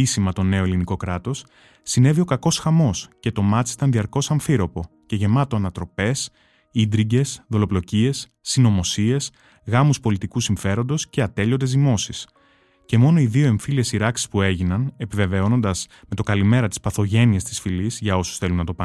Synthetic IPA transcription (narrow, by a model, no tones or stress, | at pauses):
isimɐt̪o̞ne̞o̞eliniko̞kɾɐt̪o̞s | sine̞viokɐko̞sxɐmo̞sce̞t̪o̞mɐt̪it̪ɐnðiɐɾko̞sɐɱfiɾo̞po̞ | ce̞ʝe̞mɐt̪o̞ɐnɐt̪ɾo̞pe̞s | id̪ɾiɟe̞sðo̞lo̞plo̞cie̞sːinomo̞sie̞s | ɣɐmuspo̞lit̪ikusiɱfe̞ɾo̞nd̪o̞sce̞ɐt̪e̞ʎo̞nd̪e̞zðimo̞sis | ce̞mo̞no̞iðio̞e̞ɱfilie̞siɾɐksi̥spue̞ʝinɐne̞pive̞ve̞o̞no̞nd̪ɐz̥ | met̪o̞kɐlime̞ɾɐt̪i̥spɐθo̞ʝe̞niest̪isfilizʝɐo̞su̥sθe̞lunːɐt̪o̞pɐ